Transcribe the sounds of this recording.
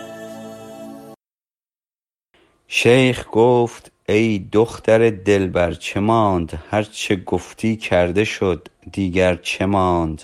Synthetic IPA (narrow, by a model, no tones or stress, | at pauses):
ʃejχɡ̥oːft̪ | ejd̪oxt̪æɾed̪elbæɾt͡ʃʰemɑːnd̪hæɾt͡ʃʰeɡoft̪ʰiːkʰæɾd̪e̞ʃod̪ːiːɡæɾt͡ʃʰemɑːnd̪̥